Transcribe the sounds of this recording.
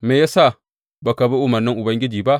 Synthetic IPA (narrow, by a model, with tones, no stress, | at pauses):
meː˨ja˦sa˦˨ | ba˨ka˨be˦ʔʊ˦mɐ˨nːɪ˦ŋʔʊ˨bɐ˦ŋɡʲɪ˦d͡ʒiː˨ba˦ʔ